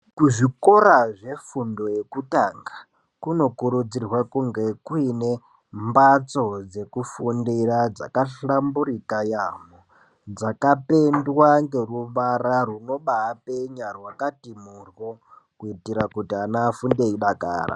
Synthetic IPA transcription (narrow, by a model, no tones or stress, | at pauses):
kuʐikoɾaʐe̞fundo̞je̞kutaŋɡa | kuno̞kuɾud͡zirwakuŋɡe̞kuine̞ | mbat͡so̞d͡ze̞kufundirad͡za̰kaɬambuɾikajamo | d͡zakape̞ndwaŋɡe̞ruʋararuno̞ɓaːpeɲarwakatimurwo | kuitiɾakutianafundeiɗaka̰ːra̰